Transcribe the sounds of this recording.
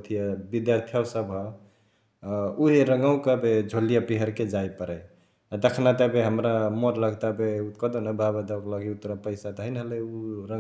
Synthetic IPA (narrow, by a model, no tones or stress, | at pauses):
t̪ʰijabid̪jaɾt̪ʰijɔsəbʱɦə | uɦeɾəŋɡəw̃kəbed͡ʒʱolijapiɦəɾked͡ʒajpəɾɛ | ad̪əkʰnat̪əbeɦəmɾamoɾləɡt̪abeukəd̪onəbʱabəd̪əkləɡiut̪ɾapəɪsat̪ɔɦəɪnɦəlɛjuɾə